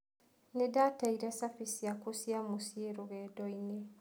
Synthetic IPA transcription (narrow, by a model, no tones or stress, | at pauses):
nedataiɾɛsafisiakusiamusieɾoɣɛdɔine